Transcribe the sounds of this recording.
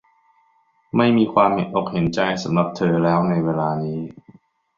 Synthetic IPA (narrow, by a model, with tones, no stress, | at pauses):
ma˥˩jmiː˧kʰwaː˧mhḛ˨˦nʔo˨˩k̚he˩˦nt͡ɕa˧jsa˩˦mla˨˩p̚t̪ʰɤː˧lɛː˦˥wna˧jweː˧laː˧niː˦˥